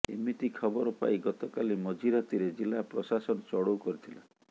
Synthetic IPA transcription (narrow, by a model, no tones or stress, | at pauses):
ḛmit̪ikʰɔbɔɾɔpa̰iɡɔt̪ɔkalimɔd͡ʒiɾat̪iɾed͡ʒilapɾɔsasɔnɔt͡ʃɔɽowkɔɾit̪ʰila̰